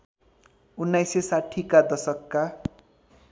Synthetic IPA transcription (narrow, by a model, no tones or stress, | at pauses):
unːajsesaʈʰikad̪ʌsʌkːa